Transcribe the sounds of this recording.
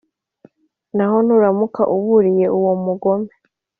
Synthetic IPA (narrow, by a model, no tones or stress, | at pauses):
naɦo̞nuɾamuka̰ʔuβuɾije̞ʔuwomuɡo̞me